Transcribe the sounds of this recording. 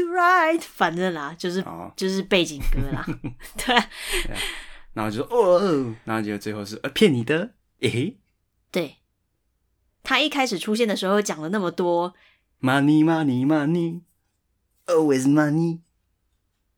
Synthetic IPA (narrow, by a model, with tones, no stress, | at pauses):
ɹa˥ɪt̪fa˨˩nə˥˧nlɐ˨t͡ɕjo˥˧ʊʂɻ̩˥˩t͡ɕjo˥˧ʊʂɻ̩˥˧pe˥˩ɪt͡ɕi˨˩ŋkɤ˧˥lɐ̰˨t̪we˥˩ɪ | na˧˦xo̰˥˧˩t͡ɕjo˧˩sɔ˦ʔo˦˩na˧˦ho˥˧˩o˥˧˩t͡swe˥˧ɪxo˥˧ʊʂɻ̩˥˧˩ʔə˧˩pʰjɛ˥˨nni˨˩d̪ə˨ | e˨˦ | t̪we˥˩ɪ | t̪ʰa˥i˥˩kʰa˥ɪʂɻ̩˨˩ʈ͡ʂʰu˥˦ɕ̬jɛ˥˩nd̪ə˨˩ʂɻ̩˧˥xo˥˧ʊt͡ɕjɑ˨˩ŋlə˦na˥˩mə˨˩t̪wɔ˦˥ | ma˧ni˧ma˧ni˨ma˧ni˧˦ | o˨˧wɪ˨˧zma˧ni˧˦